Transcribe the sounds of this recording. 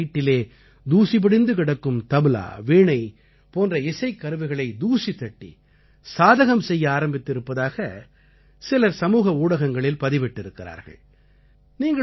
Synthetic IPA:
iːʈːɪleː | d̪uːsɪpɪɽɪnd̪ɯkɪɽɐkːɯmt̪ɐmɯla̰ːʋeːɳɐɪ | poːndrɐɪsɐɪkːɐɾɯʋɐɪɣɐɭɐɪd̪uːsit̪ːɐʈːḭ | saːðɐɣɐmsɛjːɐaːɾɐmbɪt̪ːɪɾɯpːɐðaːɣɐ | sɪlɐsɐmuːɣɐuːɽɐɣɐŋɡɐɭɪlpɐðɪʋɪʈːɪɾɯkːɪɾa̰ːɾɣɐ̰ɭ | niːŋɡɐ

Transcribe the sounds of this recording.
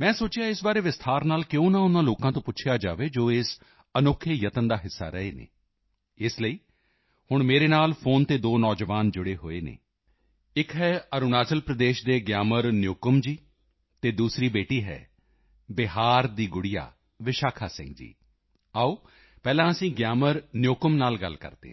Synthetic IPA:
mɛ̃ːsoːt͡ʃjaːɪsbaːɾeːʋɪst̪ʰaːɾnaːlkɪõːnãːʊnãːloːkãːt̪õːpʊtːʃʰjaːd͡ʒa̰ːʋeːd͡ʒoːeːs | ənʊkʰːeːjət̪ənd̪aːɦɪsːa̰ːɾəeːnḛː | ɪsləiː | hʊɳmeːɾeːnaːlpʰoːnt̪eːd̪oːnɔːd͡ʒʋaːnd͡ʒʊɽeːɦoːeːnḛː | ɪkɦɛːəɾʊnaːt͡ʃəlpɾəd̪eːʃd̪eːɡjaːməɾnjoːkəmd͡ʒiː | t̪eːd̪uːsɾiːbeːʈiːɦɛ̰ː | bɪɦaːɾd̪iːɡʊɽija̰ː | ʋɪʃaːkʰaːsɪ̰̃ŋɡd͡ʒḭː | aːoː | pɛːlãːəsĩːɡjaːməɾnjoːkəmnaːlɡə̰lkə̰ɾd̪ḛːɦ

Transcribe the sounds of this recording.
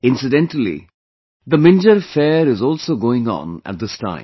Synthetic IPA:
ɪ̃nsɨdɛ̃nʈəlḭ | ðəmɪ̃nd͡ʒəɾfɛːɾɪzɔːlˠsoːɡoːɪ̃ŋə̰̃nə̰t̚d̪ɪstʰã̰ɪ̃m

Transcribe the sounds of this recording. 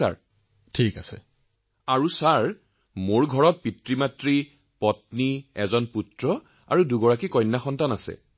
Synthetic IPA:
a̰ɹ | tʰikasɛ̰ | aɹusaɹ | moɹɡʱɔɹɔt̚pitɹimatɹi | pɔtniɛzɔnputɹɔ | a̰ɹuduɡɔɹakikɔjnːaxɔntanasɛ̰

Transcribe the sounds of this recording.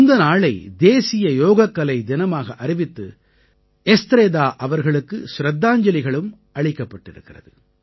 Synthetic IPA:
ɪnd̪ɐnaːɭɐɪd̪eːsɪjɐjoːɣɐkːɐlɐɪd̪ɪnɐmaːɣɐʔɐɾɪʋɪt̪ːɯ̰ | ɛst̪ɾeːd̪aːʔɐʋɐɾɣɐɭɯkːɯsɾɐd̪ːaːɲd͡ʒɐlɪɣɐɭɯm | ɐɭɪkːɐpːɐʈːɪɾɯkːɪrɐðɯ

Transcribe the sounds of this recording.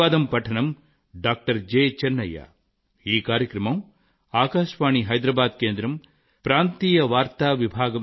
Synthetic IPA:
aːd̪ɐmpɐʈʰɐnɐm | ɖaːk̚ʈɐɾd͡ʒeːt͡ʃɛnːɐja̰ː | iːkaːɾjɐkɾɐmɐm | aːkaːʂʋaːɳiɦɐjd̪ɾɐbaːd̪keːnd̪ɾɐm | pɾaːnt̪iːjɐʋaːɾt̪aːʋibʱaːɡɐ

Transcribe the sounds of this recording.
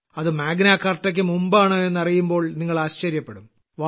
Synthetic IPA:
ɐðɨmaːɡnakːɐrtːɐk̬ʲːɨmumbaːɳɨe̞nːɐrijumbo̞ːɭniŋːɐɭaːɕt͡ɕɐɾjɐpːeɽum | ʋa

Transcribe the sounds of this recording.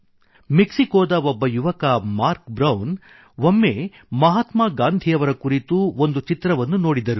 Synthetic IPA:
miksikoːd̪ɐɔbːɐjuʋɐkɐmaːɾkbɾɐwn | ʋomːe | mɐɦaːt̪maːɡaːnd̪ʱijɐʋɐɾɐkuɾit̪uond̪ut͡ʃit̪ɾɐʋɐnːuno̞ːɽid̪ɐɾu

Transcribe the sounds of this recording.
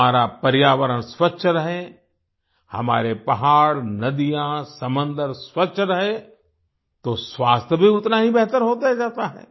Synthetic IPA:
aːɾapɐɾjaːʋəɾənsʋɐtːʃʰɾɐɦẽ | hɐ̰ma̰ːɾepɐɦaːɾnɐd̪ijãsɐmə̃nd̪əɾsʋɐtːʃʰɾɐɦe | t̪osʋaːst̪ʰjəbʱiʊt̪naɦibɛɦt̪əɾɦoːt̪aɦɛd͡ʒaːt̪aɦɛ̰ː

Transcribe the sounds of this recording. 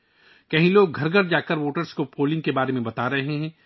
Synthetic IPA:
kɐɦĩloːɡ̚ʱɐɾɡʱəɾd͡ʒaːkəɾʋoːʈəɾskopoːlɪ̃ŋɡkebaːɾemẽbɐt̪aːɾɐɦeɦɛ̃ː

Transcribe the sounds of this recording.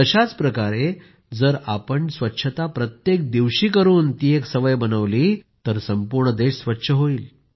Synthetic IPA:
əɕat͡spɾəkaɾe | d͡zəɾapəɳsʋətːɕʰət̪apɾət̪jek̚d̪iʋɕiːkəɾuːnt̪iːeksəʋəjbənəʋliːt̪əɾsəmpuɾɳəd̪eɕsʋətːɕʰəɦoiːl

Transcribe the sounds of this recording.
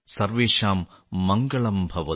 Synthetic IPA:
sɐrʋeːʂaːmːɐŋɡɐɭɐmbʱɐʋɐ

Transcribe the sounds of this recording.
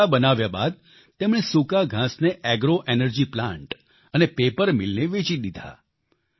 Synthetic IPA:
abənaʋjaba̰d̪̚ | t̪emɽ̃esukaɡʱãsneʔɛɡɾoʔenəɾd͡ʒiplãɳʈ | ənepepəɾmɪlneʋet͡ʃiɗ̪id̪ʱa̰

